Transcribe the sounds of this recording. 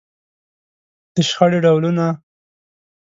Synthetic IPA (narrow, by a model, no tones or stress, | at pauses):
d̪̥əʃxəɽeɖawluna